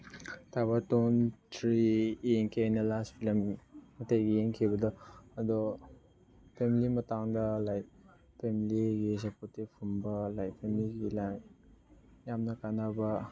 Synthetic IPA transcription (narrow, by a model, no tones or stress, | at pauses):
tʰabatontʰɾijeŋkʰiajnɐlastpʰilɐmːɐtejɡijeŋkʰibɐdɐɐdɔ | pʰemilimɐtaŋdɐlaj | pʰemiliɡisɐpoɾtibpʰumbɐlajpʰemiliɡilaŋ | jamnɐkanabɐ